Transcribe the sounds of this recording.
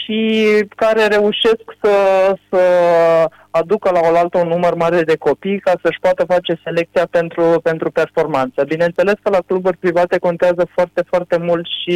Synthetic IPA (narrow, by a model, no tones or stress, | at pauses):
ʃikaɾe̞ɾe̞uʃe̞sksəsə | ad̪ukəlao̞lalt̪əunːumərmaɾe̞d̪e̞ko̞pijkasəʃpoat̪əfat͡ʃe̞se̞le̞k̚t̪sijape̞nt̪ɾupe̞nt̪ɾupe̞rfo̞rmant̪səbinent̪se̞le̞skəlakluburʲpɾivat̪e̞ko̞nt̪eazəfoart̪e̞foart̪e̞mult̪ʃi